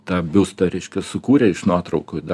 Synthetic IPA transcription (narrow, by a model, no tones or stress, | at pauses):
t̪ɑːbʲʊst̪ɐɾʲɛɪʃʲkʲɛsʊkuːɾʲɛɪʃnuɔt̪ɾɐʊkoːd̪ɐ